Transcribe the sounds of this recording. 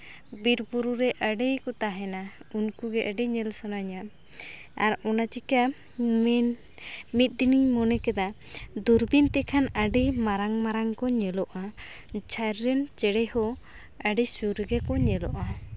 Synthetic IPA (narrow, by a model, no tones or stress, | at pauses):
biɾpuɾuɾɛʔəɖɛjkɔt̪aɦɛnaunkuɡɛʔəɖɛɲɛlsanaɲa | aɾɔnat͡ʃika | mit̪̚ˀd̪iniɲmɔnɛkɛd̪a | d̪uɾbint̪ɛkʰanəɖimaɾaŋmaɾaŋkɔɲɛlɔʔa | t͡ʃʰajɾːɛnt͡ʃɛɽɛhɔ | əɖisuɾɡɛkɔɲɛlɔʔa